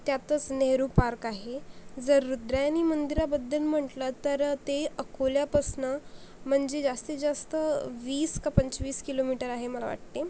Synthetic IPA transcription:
t̪jat̪ət͡sneɦɾupaɾkaɦed͡zəɾːud̪ɾajanimənd̪iɾabəd̪ʱːəlm̤əʈlət̪əɾt̪eəkʰoljapəsnəm̤əɳd͡zed͡zast̪id͡zast̪əʋiːskapəɲt͡ɕʋiːskilomiʈəɾaɦeməla̰ʋa̰ʈ̚t̪e

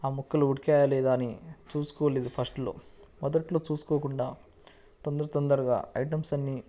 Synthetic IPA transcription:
aːmukːɐluuɽikaːjɐlɛːd̪aːnit͡ʃuːsu̥kɔːleːd̪upʰɐsʈlo̞̰ː | mɔd̪ɐʈlo̞ːt͡ʃuːsu̥koːkuɳɖaː | t̪ɔnd̪ɐɾɐt̪ɔnd̪ɐɾɐɡa̰ːɐ̰jʈɐmsɐnːi

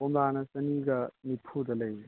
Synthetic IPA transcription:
omdanɐsɐniɡɐnipʰud̪ɐlɐj

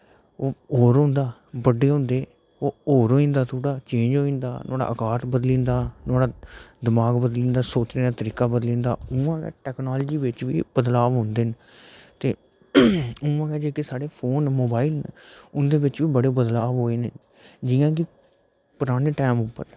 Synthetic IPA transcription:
oːoːɾɦõːnd̪aːbəɖeːɦʊ̃ːnd̪eː | oːoːɾɦoːĩːnd̪aːt̪ʰuːɽaːt͡ʃẽːnd͡ʒoːĩːnd̪a̰ːnoːɽa̰ːʔəkaːɾt̪bəd̪lĩːnd̪aːnoːɽaːd̪ɪmaːɡbəd̪lĩːnd̪aːsoːt͡ʃɾẽːd̪aːt̪əɾiːkaːbəd̪lĩːnd̪aːʊãːkɛ̰ːʈɛːknaːld͡ʒiːʋɪt͡ʃʋḭːb̥əd̪laːʋɦʊ̃ːnd̪eːn | t̪eː | ʊãːɡɛːd͡ʒeːkeːsaːɽeːpʰoːnmoːbaːilʊnd̪eːbɪt͡ʃʋiːbəɽeːbəd̪laːʋɦoːeːne | d͡ʒɪːãːk̬ɪ | pʊɾaːɽeːʈɛːmʊpːə̰ɾ

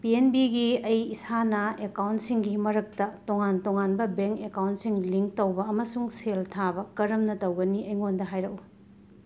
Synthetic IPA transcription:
pienbiɡiɐjisanɐekawntsiŋɡimɐɾɐk̚tɐtoŋantoŋanbɐbeŋkekawntsiŋliŋk̚tɐwbɐɐmɐsuŋseltʰabɐkɐɾɐmnɐtɐwɡɐniɐjŋondɐɦajɾɐʔu

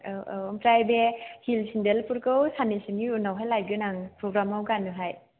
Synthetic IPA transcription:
mpɾajbehilsʰindelpuɾkɯwsanisinɡiunawɦajlajɡɯnaŋpɾoɡɾamawɡanːɯɦaj

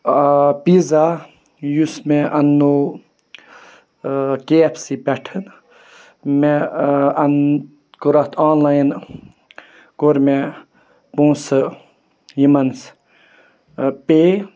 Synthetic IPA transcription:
piza | jusmeʔɐnːoː | keːpʰsibɛʈʰɨn | meɐn | koɾɐt̪ʰãːnlaːjn | koɾme | põːsɨ | jimɐns | peː

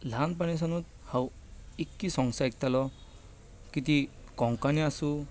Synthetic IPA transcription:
lʱanpanes̬anut̪̚haw | ekːisɔŋsaek̚t̪alɔ | kit̪i | kɔŋkaniasu

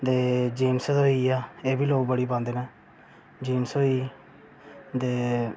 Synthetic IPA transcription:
d̪eːd͡ʒiːmsd̪oːiːaːeːbiːloːɡbəɽiːpãːnd̪eːneː | d͡ʒiːnsoːiː | d̪eː

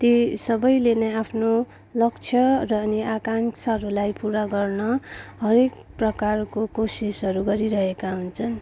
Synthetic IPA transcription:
t̪esʌbʌjlenʌjapʰno | lʌk̚t͡sʰjʌrʌːniakant͡sʰɦʌɾulajpuɾaɡʌrnʌɦʌɾekprʌkarkokosisɦʌɾuɡʌɾiɾʌɦekaɦunt͡sʰʌn

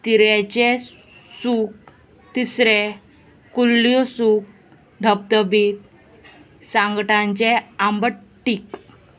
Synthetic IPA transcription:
t̪iɾjɛt͡ɕe | suk̚ | t̪isɾe | kulːijosuk̚ | d̪ʱəb̚t̪əbiːt̪̚ | sãŋɡʈãɲt͡ɕeambəʈːik

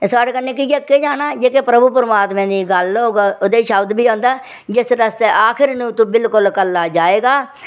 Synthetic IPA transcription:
saːɽeːkənːẽːkid͡ʒekːeːd͡ʒaːnaːd͡ʒeːkeːpɾəbuːpəɾmaːt̪mẽːd̪iːɡəloːɡod̪eːiʃəbd̪biːõːnd̪aː | d͡ʒɪsɾəst̪eːʔaːkʰɪɾnũːt̪ũːbɪlkʊlkəlːaːd͡ʒaːeːɡaː

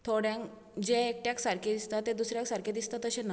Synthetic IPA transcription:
t̪ʰoɽjãŋk | d͡ʑeːk̚ʈjaksaɾkʰed̪ist̪at̪ːed̪usɾjãksaɾked̪ist̪at̪ːəɕẽna

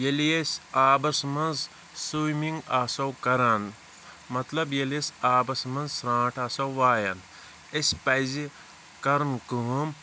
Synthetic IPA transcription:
jeljesʲaːbɐsmɐnz | sumiŋɡaːsɐwkɐɾan | mɐt̪lɐbjelesʲaːbɐsmɐnzsɾãːʈʰaːsɐwʋaːjɐn | esʲpɐjzi | kɐɾnkɨm

